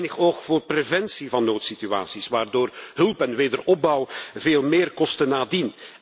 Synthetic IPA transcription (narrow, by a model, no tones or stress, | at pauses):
nəxoːχvoːrprevɛnsivɑnːoːtsitya̰ːsisʋaːrdoːrɦɵlˠpɛnʋeːdərɔb̚bɑwveːlˠmeːrkɔstənaːdin